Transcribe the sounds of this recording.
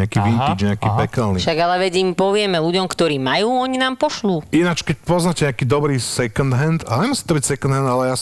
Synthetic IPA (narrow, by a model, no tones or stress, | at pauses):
akiːʋint̪id͡ʒɲɛakiːpɛkalniʃaɡalɛʋɛɟimpɔʋɪɛmɛluɟɔmkt̪ɔɾiːmajuːɔɲinaːmpɔʃluːinat͡ʃkɛc̚pɔznacɛɲakiːd̪ɔbɾiːsɛkɔnd̪ɦɛnd̪aɲɛmusi̥ːt̪ɔbicsɛkɔnd̪ɦɛnd̪alɛjas